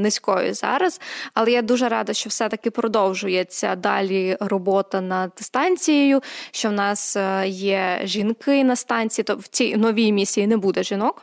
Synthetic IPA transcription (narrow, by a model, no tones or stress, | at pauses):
nɪsʲkɔjʊ̰zɑ̰ɾɐzɐlˠɛjad̪uʒɛɾɑd̪ɐʃt͡ʃɔwsɛt̪ɐkɪpɾɔd̪ɔwʒʊjet͡sʲːɐd̪ɑ̰lʲirɔbɔt̪ɐnɐd̪̥st̪ɑnʲt͡sʲijejʊʃt͡ʃɔwnɑsjɛʒʲinkɪnɐst̪ɑnʲt͡sʲijit̪ɔwt͡sʲijnɔʋʲijmʲisʲijinɛbud̪ɛʒinɔk